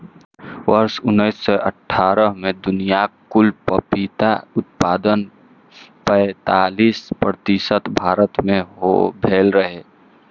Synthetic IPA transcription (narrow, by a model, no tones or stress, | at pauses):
ʋəɾsʊnːəɪsːɔʔəʈʰːaːɾəɦmẽd̪ʊnijakʊlpəpit̪aʊt̪̚paːd̪ən | pɛ̃t̪aːliːspɾət̪isət̪bʱaːɾət̪mẽɦo̰bʱeːlɾəɦe